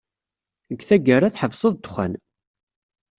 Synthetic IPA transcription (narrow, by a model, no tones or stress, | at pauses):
əɡθæɡəɾaθħəvsˤəðˤt̪χʷæ̰n